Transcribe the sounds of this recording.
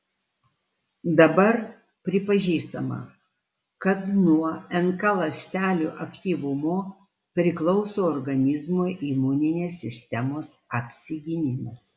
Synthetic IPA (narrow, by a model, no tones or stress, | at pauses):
d̪ɐbɐɾ | pʲɾʲɪpɐʒʲiːst̪ɐmɐ̰ | kɐt̪nuɔɛŋkɑlˠɐsʲt̪ʲæːlʲuːʔɐkt̪ʲiːʋʊmoː | pʲɾʲɪklˠɒʊsoːɔɾɡɐnʲɪzmoːʔimunʲɪnʲeːsʲːɪsʲt̪ʲɛmoːsɐpʲsʲɪɡʲɪnʲɪmʲɪs